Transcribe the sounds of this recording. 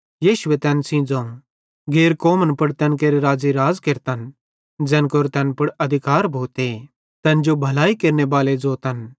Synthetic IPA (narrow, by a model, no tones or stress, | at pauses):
jiːʃʊʋet̪ɛ̃nsĩːd͡zõ | ɡeːɾkoːmənpʊɽt̪ɛ̃ːnkeːɾeɾaːd͡ziɾaːd͡zkeɾt̪ən | d͡zɛ̃ːnkoːɾt̪ɛ̃npʊɽɐd̪ʱɪkaːɾbʱoːt̪e | t̪ɛ̃nd͡ʒobʱɐlaːikeːɾnebaːled͡zoːt̪ɐn